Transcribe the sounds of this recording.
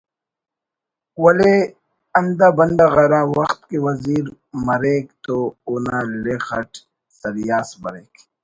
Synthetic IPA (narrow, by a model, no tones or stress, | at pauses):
wɐle | ɐnd̪aːbɐnd̪aɣɐɾaːwɐxt̪̚kewɐziːɾ | mɐɾeːkt̪ounaːlexɐʈ | sɐɾjaːsbɐ̰ɾeːk